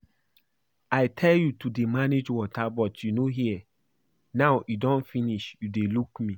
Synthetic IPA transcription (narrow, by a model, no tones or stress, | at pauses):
aɪtʰɛljutudemaned͡ʒwɔtʰabɔtʰjunoɦiɛ | naʊidɔ̃nfĩniʃjudelukmĩ